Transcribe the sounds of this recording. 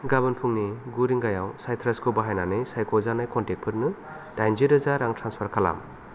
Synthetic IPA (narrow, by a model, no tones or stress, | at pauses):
ɡabɯnpʰuŋniɡuɾiŋɡajawsajtʰɾaskʰubaɦajnanɯjsajkɔzanajkɔntek̚pʰɯɾnɯ | dajnziɾɯzaɾaŋtʰɾanspʰaɾkʰala̰m